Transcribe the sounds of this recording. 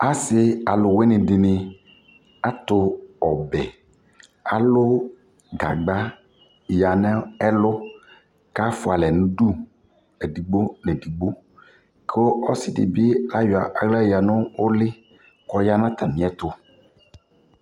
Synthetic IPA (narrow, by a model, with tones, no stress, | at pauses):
a˦sɪ˦a˨lʊ˨we˦nɪ̃˨dɪ˨nɪ˨ | a˦t̪ʊ˨ɔ˨bɛ˨ | a˨lʊ˦ | ɡa̰˨ɡ͡ba˦˨ | ja˨nɛ̃˦ɛ˦lʊ˦ | ka˦fʊ˨a˨lɛ˨nʊ̃˦du˦ | ɛ˨di˨ɡ͡bo˦nɛ˨di˨ɡ͡bo˦ | kʰɔ˦sɪ˨dɪ̰˨bɪ˦la˦jʊ˨a˨ʔa˨ɡla˦˨ja˨nʊ̃˦wʊ˦lɪ˦ | kɔ˦ja˦nã˦t̪a˨mĩ˨˦ɛ˦t̪ʊ˨